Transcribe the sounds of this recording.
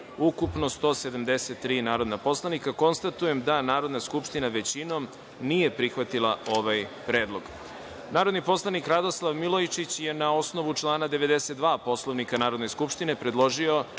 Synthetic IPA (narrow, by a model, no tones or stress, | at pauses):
ukupno̞st̪o̞ːse̞d̪amd̪e̞set̪ːɾiːnaːɾo̞d̪napo̞slˠanikako̞nst̪at̪uje̞md̪anaːɾo̞d̪naskupʂt̪inaʋe̞t͡ɕino̞m | nije̞pɾixʋat̪ila̰o̞ʋajpɾe̞ːd̪lˠo̞ɡ̥ | naːɾo̞d̪nipo̞slˠanikɾad̪o̞slˠaʋmilojt͡ʃit͡ɕje̞nao̞sno̞ʋut͡ʂlˠaːnad̪e̞ʋe̞d̪e̞set̪̚d̪ʋaːpo̞slˠo̞ʋnikanaːɾod̪ne̞skupʂt̪ine̞pɾe̞d̪lˠo̞ʒio̞